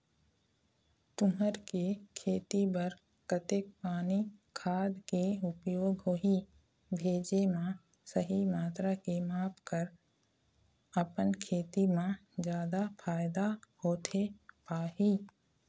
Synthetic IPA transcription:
t̪ʊɦəɾkekʰeːt̪ibəɾ | kət̪ɪk̚paːnikʰaːd̪keʊpjoːɡɦoɦi | bʱeːd͡ʒemã | səɦimaːt̪ɾakemaːpʰkəɾ | əpənkʰeːt̪imãd͡ʒjaːd̪apʰaːjd̪ahoːt̪ʰepaːɦiː

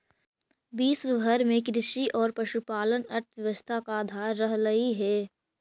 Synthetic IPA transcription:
biːsʋɪbʱəɾmẽkɾɪʃiʔɔːɾpɐʃupaːlənəɾt̪ʰʋjɐʋəst̪ʰakaːd̪ʱaːɾːəɦlɐiɦɛː

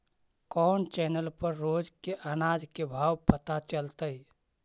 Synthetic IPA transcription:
kɔːnt͡ʃɛːnəlpəɾːoːd͡ʒkeʔanaːd͡ʒkebʱaːwpət̪at͡ʃəlt̪əi

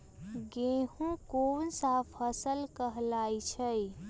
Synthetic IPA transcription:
ɡehũkonsapʰəsəlkəɦlajt͡ʃʰəj

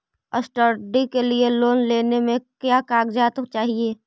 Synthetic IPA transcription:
əsʈəɾɖikelieloːnleːnemẽkjaːkaːɡd͡ʒaːt̪t͡ʃaːɦieː

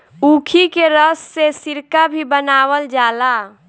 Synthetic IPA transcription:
uːkʰikeɾəsːesɪɾkabʱibənaːwəld͡ʒaːla

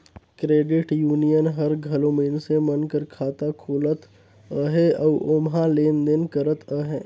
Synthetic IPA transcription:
kɾeːɖɪʈjuːnijənɦɐɾɡʱɐlõminsemənkəɾkʰaːt̪akʰoːlət̪ | əɦeəʋʊmɦãleːnd̪ɪnkəɾət̪ʰəɦeː

